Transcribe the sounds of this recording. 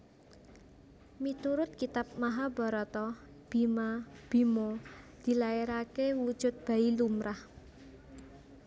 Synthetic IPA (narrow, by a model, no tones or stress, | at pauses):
mit̪uɾʊt̪̚kit̪ap̚maɦabɔ̤ɾɔt̪ɔ | b̥i̤mab̥i̤mod̪̥i̤lajeɾakewud̥ʒ̥ʊ̤t̪̚b̥ä̤ilumɾah